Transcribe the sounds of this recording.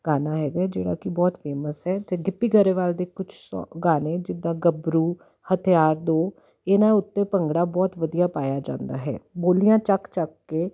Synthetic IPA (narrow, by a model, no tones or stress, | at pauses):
ɡ̥aːnaːɦɛːɡaːɛd͡ʒḛːɽa̰ːkɪbɔːt̪pʰeːməsɦɛːt̪eːɡɪpːiːɡəɾeːʋaːld̪eːkʊt͡ʃʰsɔ̰ɡaːnẽːd͡ʒɪd̪ːãːɡəbɾuː | hət̪ʰijaːɾd̪õː | eːnãːʊt̪ːẽːpəŋɡɽaːbɔːt̪ʋəd̪ijaːpaːjaːd͡ʒã̰ːnd̪a̰ːɦɛ̰ːboːlijãːt͡ʃəkt͡ʃək̚ːeː